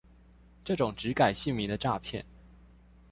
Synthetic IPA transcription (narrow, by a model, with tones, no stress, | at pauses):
ʈ͡ʂɤ˥˩ʈ͡ʂʊ˨˩ŋʈ͡ʂɻ̩˧˥ka˨˩ɪɕi˥˩ŋmi˧˥d̪ə˧ʈ͡ʂa˥˧pʰjɛ̰˥˩n